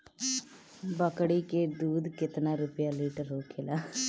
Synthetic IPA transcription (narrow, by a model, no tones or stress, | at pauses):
bəkɽiːkeːd̪uːd̪kɪt̪naːɾʊpjaːliːʈəɾɦoːkʰeːlaː